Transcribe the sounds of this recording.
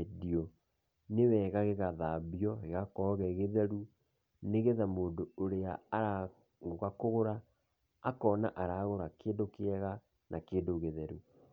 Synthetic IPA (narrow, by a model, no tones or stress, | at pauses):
ediɔ | newɛɣaɣeɣaðaːbjɔɣeɣakɔɣɛɣeðɛɾu | neɣeðamoːndooɾeaaɾa | ŋoɣakoɣoɾaː | kɔnaʔaɾaːɣoɾakeːndokeɛɣa | nʔakeːndoɣeðɛɾu